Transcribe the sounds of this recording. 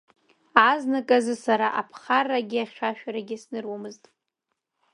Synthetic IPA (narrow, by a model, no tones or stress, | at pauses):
aznakʼazɨsaɾaʔapʰχarːaɡʲiaχʲʃᶣaʃᶣaɾaɡʲɪsnɨrwamɨztʼ